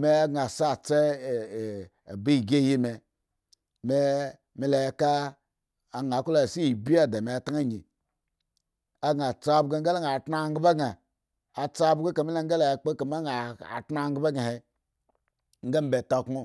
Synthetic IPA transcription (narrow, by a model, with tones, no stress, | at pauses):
me˦a˦ɡa˨sa˦˨t͡se˦˨ | bi˦i˨ɡe˦˨ji˦me˨ | me˦ | me˨la˨jka˦ | a˨ŋ˨a˨˦ku˦la˨si˦˨bi˦a˨da˨me˨ta˦a˦˨ɲi˨ | a˦ɡa˨t͡sa˦˨˦bɡa˨ŋ˦ɡa˦la˦ŋ˨a˨tna˦˨ŋ˦ɡba˦ɡa˨ | a˨t͡sa˦bɡe˦ka˨mi˦la˦ŋ˦a˦la˨jk͡pe˦a˨m˦a˦ŋa˨a̰˨ta˦˨ŋɡba˦ɡa˨he˨ | ŋ̩˦ɡa˦m˦be˨ta˨ku˦